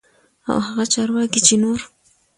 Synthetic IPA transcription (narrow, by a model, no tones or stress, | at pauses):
a̰whaɣat͡ʃɑɾwɑkit͡ʃenoɾ